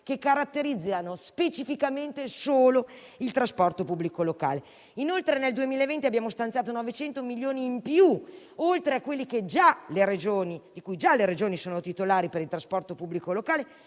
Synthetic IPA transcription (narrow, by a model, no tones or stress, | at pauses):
kekːaɾat̪ːeɾid̪zːanospet͡ʃifikament̪esoːlo | ilt̪ɾaspɔrt̪opubːlikoloka̰ːle | inolt̪ɾeneld̪uemilaevent̪iabːjaːmost̪ant̪jaːt̪onɔvet͡ʃɛnt̪omiljoːniːmpju | olt̪ɾeakːwelːiked͡ʒaleɾed͡ʒoːnid̪ikujd͡ʒaleɾed͡ʒoːnisoːnot̪it̪olaːɾipeɾilt̪ɾaspɔrt̪opubːlikolokaːle